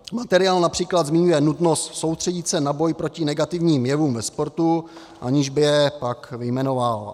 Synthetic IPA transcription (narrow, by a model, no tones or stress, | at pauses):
mat̪ɛɾɪaːlnapr̝̥iːklad̪zmɪɲujɛnut̪no̞st̪so̞wst̪r̥ɛɟɪt̪sɛnabo̞jpɾo̞cɪnɛɡat̪ɪvɲiːmjɛvuːmvɛspo̞ɾt̪u | ʔa̰ɲɪʒbɪjɛpakvɪjmɛno̞val